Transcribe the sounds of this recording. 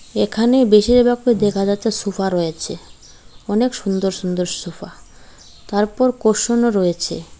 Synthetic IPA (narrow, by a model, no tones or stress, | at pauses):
ekʰanebeʃiɾbakod̪ekʰad͡ʑat̪ːesufaɾojet͡ɕʰe | ɔnekʃund̪oɾʃund̪oɾsufa | t̪aɾpɔɾkoʃonoɾɔet͡ɕʰḛ